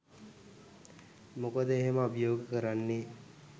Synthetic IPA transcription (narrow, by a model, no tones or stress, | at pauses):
mokəd̪əeɦeməabjoːɡəkəɾanːe